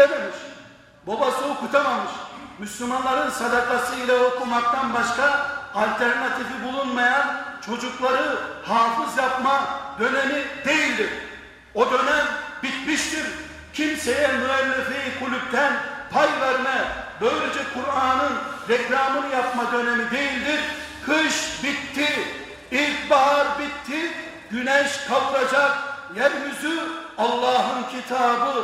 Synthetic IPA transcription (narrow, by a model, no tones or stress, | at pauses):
ememiʃ | bo̞basɯokut̪ʰamamɯʃmyslʲumanlˠaɾɯnsad̪akʰasɯilʲˠao̞kumak̚t̪ʰanbaʃkaalʲt̪ʰæɾnat̪ʰifibulˠunmajant͡ʃʰo̞d͡ʒuklˠaɾɯhaːfɯzjapmad̪ø̞nenid̪e̞jilʲd̪iɾ | o̞d̪ø̞nænbit̪miʃt̪iɾ | cʰimse̞jɛnuɛlːɛfejikʰulʲyp̚t̪ʰænpʰajvæɾɯnɛbø̞jlʲed͡ʒɛkʰuɾaːnɯnɾɛkɾaːmɯnjap̚mad̪ø̞nemid̪e̞jilʲd̪iɾ | kʰɯʃbit̪ʰːi | it̪baɦaɾbit̪ʰːi | ɟ̥ynɛʃkʰapɾad͡ʒak̚jæɾmyzyɑlˠːɑːɦɯncʰit̪ʰaːbɯ